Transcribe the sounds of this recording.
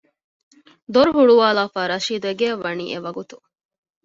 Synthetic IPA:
d̪oɾuɦuɭuʋaːlaːfaːɾɐʃiːd̪ueɡeɐʋɐnḭːʔeʋɐɡut̪u̥

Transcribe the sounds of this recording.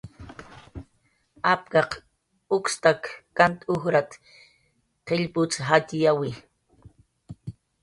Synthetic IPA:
ap̚kɑq | ʊkst̪akːant̪ʊxɾat̪ | qeʎpʊt͡sɦat̪jawi

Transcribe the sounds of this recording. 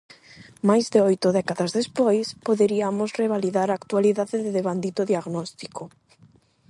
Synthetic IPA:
majzðeojt̪ʊðɛkaðazðespojspoðeɾiamosreβ̞aliðaɾaːkt̪waliðaðeðɪðeβand̪it̪oðiaɣnɔst̪i̥ko

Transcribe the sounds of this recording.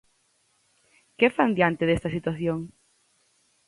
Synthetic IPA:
kefand̪jant̪ɪðest̪ɐsit̪waθjoŋ

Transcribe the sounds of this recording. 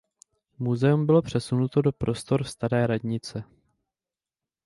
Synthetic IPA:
muzɛumbɪlo̞pr̝̥ɛsunut̪o̞do̞pɾʔo̞st̪o̞ɾfst̪aɾɛːɾadɲɪt͡sɛ

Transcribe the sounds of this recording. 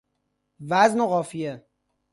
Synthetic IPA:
væznoɣɒːfije

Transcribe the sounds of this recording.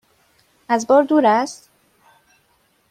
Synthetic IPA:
æzbɒːɾd̪uːɾæst̪

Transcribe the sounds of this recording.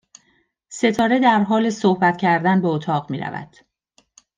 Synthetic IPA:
se̞t̪ʰɒːɾe̞d̪æɾɦɒːle̞sohbæt̪cʰæɾd̪ænbeot̪ʰɒːɣmiːɾæ̰væ̰d̪̥

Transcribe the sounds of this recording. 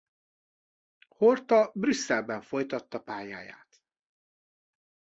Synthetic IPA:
hort̪ɒbrysːɛlbɛɱfo̞jt̪ɒt̪ːɒpaːja̰ːja̰ːt̪

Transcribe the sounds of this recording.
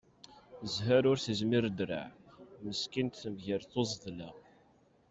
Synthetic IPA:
zɦæɾʊɾθəzmɪɾd̪ɾa̰ʕməskint̪θəmʝəɾθozˤðlæ

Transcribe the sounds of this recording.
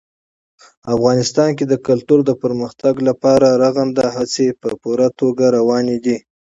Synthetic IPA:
afɣɑnɪst̪ɑnked̪əkalt̪uɾd̪əpəɾməxt̪aɡlapɑɾaɾaɣand̪aɦat͡sepəpuɾat̪oɡaɾawɑned̪i

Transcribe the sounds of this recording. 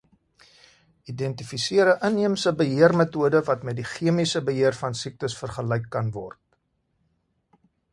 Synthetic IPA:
idɛntifisiəɾəʔəniəmsəbəɦiərmətuədəvɐtmɛt̚diχiəmisəbəɦiərfɐnsik̚təsfərχəlɛjkːɐnvɔrt̚

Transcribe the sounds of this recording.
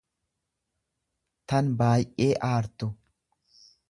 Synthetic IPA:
t̪ɐnbaːjʔʼːeːʔaːɾt̪ːɔ

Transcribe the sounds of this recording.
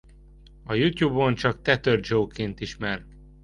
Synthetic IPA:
ɒjut̪juːbont͡ʃɒkt̪ɛt̪ørd͡ʒoːkeːnt̪iʃmɛrk

